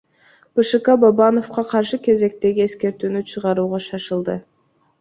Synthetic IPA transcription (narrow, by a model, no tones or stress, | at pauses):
b̥ɨʃɨkɑbɑbɑno̞fqɑqʰɑɾʃɯkʲe̞ze̞k̚t̪e̞ɡʲie̞ske̞ɾt̪yːnyt͡ʃʰɯʁɑɾuːʁɑʃɑʃɯlˠd̪ɯ